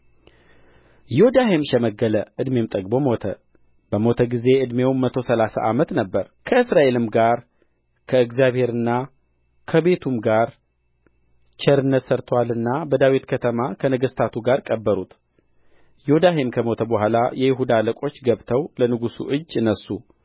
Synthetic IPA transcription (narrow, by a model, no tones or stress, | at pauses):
jɪod̪aɦemʃɛməɡələʔɨd̪me̞mt̪ʼəɡbo̞mo̞t̪ʰə | bəmo̞t̪ʰəɡize̞ʔɨd̪me̞wmːət̪ʰo̞səlasa̰ʔamət̪nəbːəɾkʰəɨsɾaʔe̞lɨmɡaɾ | kʰəɨɡzjaβhe̞ɾɨnːa | kʰəbe̞t̪ʰumɡaɾ | t͡ʃɛɾɨnːət̪səɾt̪ʰwalɨnːabəd̪awit̪kʰət̪ʰəmakʰənəɡəst̪ʰat̪ʰuɡaɾkʼəbːəɾut̪ | jod̪aɦemkʰəmo̞t̪ʰəbəɦʷalajɛjɪɦud̪aləkʼo̞t͡ʃːɡəβt̪ʰəwlənɨɡusṵʔɨd͡ʒːɨnːəsu